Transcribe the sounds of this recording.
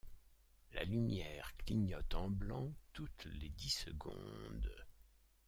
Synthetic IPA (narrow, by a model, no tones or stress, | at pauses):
la̰lymjɛʁkliɲɔt̪ɑ̃blɑ̃t̪ut̪led̪isəɡɔ̰̃d̪